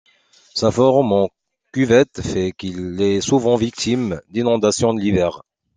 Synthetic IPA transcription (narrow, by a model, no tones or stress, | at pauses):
safɔʁmɑ̃ | kyvɛt̪fɛkilɛsuvɑ̃vik̚t̪ʰimd̪inɔ̃d̪asjɔ̃d̪əlivɛʁ